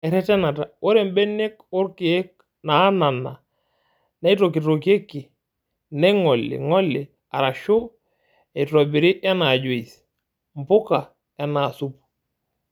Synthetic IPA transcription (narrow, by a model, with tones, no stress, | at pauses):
ɛ˨ɾɛ˦tɛ˦na˨ta˨o˦ɾɛ˨m˦bɛ˦ne˦kʊ˦ɾki˨ɛ˦k̚ | naː˨˦na˨na˨ | na˦i˦to˨k̬i˨to˨k̬e˦kːɪ˨ | nɛ˦ŋɔ˨lɪ̰˨ŋɔ˦lɪ̰˨ | a˨ɾa˨ʃo˦ | ɛ˨i˨tɾɔ˨bi˨ɾɪ˦ʔa˦na˨d͡ʒo˨i˨s | m˨pʊ˦ka˨ | ja˦na˨su˦pu̥˨